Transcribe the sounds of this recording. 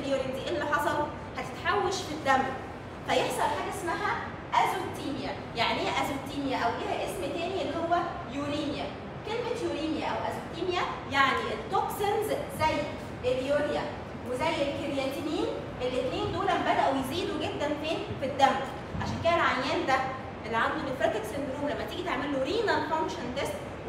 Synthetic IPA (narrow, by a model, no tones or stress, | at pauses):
ljoɾind̪iʔelːiħɑsˤɑl | hæt̪e̥t̪ħawːæʃfid̪ːæm | fæjeħsˤɑlħaːɡæʔesmæɦæ | ʔæzoɾt̪iːmjæ | jaʕniʔæzoɾt̪iːnjæʔæwʔiːhæʔesmt̪æːniʔelːihowːæ | juɾiːnjæ | kelmet̪juɾiːnjæʔæwʔæzoɾt̪iːnjæjaʕniʔet̪ːoksenzzæjː | ʔedjoːbjæ | wezæjːelkeɾjænt̪iniːn | ʔelːet̪neːnd̪oːlæmbæd̪æʔujeziːd̪uɡed̪ːænfeːnfid̪ːæmd̪i̥ | ʕaʃæːnkæːnelʕajːæːnd̪æ | ʔelːiʕand̪nibenfɾɑkek̪send̪ɾuːmlæmːæt̪iːɡit̪eʕmelːoɾiːnælfɑnʃend̪es